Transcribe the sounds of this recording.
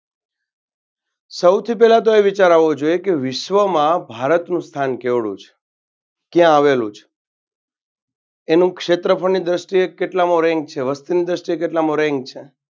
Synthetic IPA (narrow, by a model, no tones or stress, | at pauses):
səwt̪ʰipɛlat̪oeʋit͡ʃaɾaʋod͡ʒojekeʋɪʃʋəmãbʱaɾət̪nũst̪ʰankeʋɭṵ̃t͡ʃʰ | kjãːʋelṵ̃t͡ʃʰ | enũkʃet̪ɾəpʰəɾnid̪ɾəʃʈijekeʈlamoɾɛ̃ŋɡ̚t͡ʃʰeʋəst̪inid̪ɾəʃʈiekeʈlamoɾeŋɡ̚t͡ʃʰe